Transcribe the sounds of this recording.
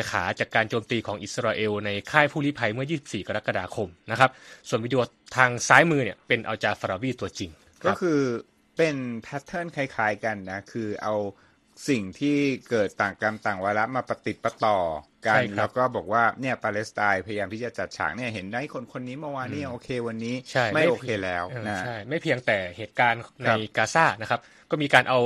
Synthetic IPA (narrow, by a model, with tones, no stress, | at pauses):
kʰaː˩˦t͡ɕaː˨˩kːaː˧nt͡ɕoː˧mt̪iː˧kʰɔː˩˦ŋʔi˨˩t̪sa˧ɾaː˧ʔe˧wna˧jkʰaː˥˩jpʰuː˥˩li˦˥pʰa˧jmɯ˥˩ɐjiː˥˩si˨˩p̚siː˨˩ka˧ɾa˦˥ka˧daː˧kʰo˧mna˦˥kʰa˦˥p̚su˨˩nwiː˦˥di˧ | t̪ʰaː˧ŋsaː˦˥jmɯː˧ni˥˩ɐpe˧nʔa˧wt͡ɕaː˧˩faː˧ɾaː˧wiː˥˩t̪u˧ɐt͡ɕi˧ŋ | kʰɔː˥˦˩kʰɯː˧ | pe˧npʰɛ˦˥t̪ʰːɤː˥˩nkʰa˧˩jkʰaː˦˥jka˧nːa˦˥kʰɯː˧ʔa˧w | si˨˩ŋt̪ʰiː˥˩kɤː˨˩t̪ːaː˨˩ka˧mt̪aː˨˩ŋwaː˧ɾa˦˥ʔmaː˧pa˧t̪i˨˩t̪̚pa˧t̪ɔː˨˩ | ka˧˥nlɛː˦˥wkɔː˥˩bɔː˨˩k̚waː˥˩ni˥˩ɐpaː˧le˦˥st̪aː˧jpʰa˧jjaː˧mt̪i˥˩t͡ɕa˨˩t͡ɕa˨˩t̪̚t͡ɕʰa̰ː˩˦ŋ̚ni˥˩ɐɦe˩˦nda˥˩˥kʰo˧nkʰo˧nːiː˦˥mɔː˧waː˧nːiː˥˩ʔoː˧kʰeː˧wa˧nːiː˦˥t͡ɕʰa˥˩jma˥˩jʔoː˧kʰeː˧lɛː˦˥wːna˦t͡ɕʰa˥˩jma˥˩jpʰi˧əŋt̪ɛː˨˩heː˨˩t̪̚kaː˧nna˧a˧jkaː˧saː˥˩na˦˥kʰp̚ | kɔː˥˩miː˧kaː˧nʔa˧w